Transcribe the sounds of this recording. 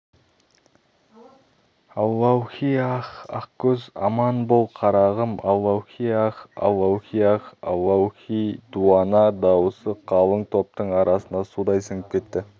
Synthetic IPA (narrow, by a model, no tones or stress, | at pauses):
ɑwɑwxʲijɑχɑqkʲʰɵzɑ̰mɑnbolˠqʰɑɾɑʁəmɑlːɑwxʲijɑqɑ̰lːɑwxʲijɑqɑ̰lːɑwxʲijd̪uɑnɑd̪ɑwəsəqʰɑlˠəɴt̪ʰo̞p̚t̪əɴɑɾʔɑsənd̪ɑsud̪ɑjsəŋəp̚kʲʰe̞t̪ːɪ